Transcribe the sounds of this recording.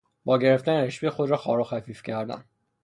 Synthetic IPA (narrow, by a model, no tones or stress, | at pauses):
bɒːɟe̞ɾe̞ft̪æneɾeʃpejxo̞d̪ɾɒːxɒ̰ːɾoxæfiːfcʰæɾd̪æ̰n